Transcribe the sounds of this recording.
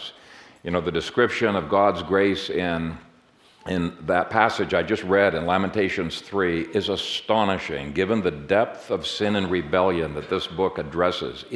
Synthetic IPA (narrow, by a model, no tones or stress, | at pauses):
jɨñoʊðɨdɨskɹɪpʃɨ̃nʌvɡɑdzɡɹeɪsɪ̃n | ɪ̃nðɨt̚pʰæsɨd͡ʒaɪd͡ʒʌst̚ɹɛɾɨ̃nlæmə̃ntʰeɪʃɨ̃nz̥θɹiʔɪzəstɑnɨʃɪ̰̃ŋɡɪvə̃nðɨdɛp̚θʌv̥sɪ̃nɨ̃nɹɨbɛlˠjɨ̃nðɨt̪̚ðɪsb̥ʊkɨdɹɛsɪ̰z